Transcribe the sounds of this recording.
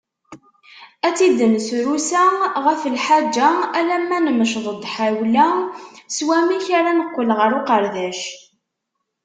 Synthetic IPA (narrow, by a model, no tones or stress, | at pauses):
æt͡sːid̪ənsɾusæʁəfəlħad͡ʒːaælæmːænəməʃðˤəd̪ˤħawlæswæmiçaɾanəqːəlʁəɾoqəɾðæʃ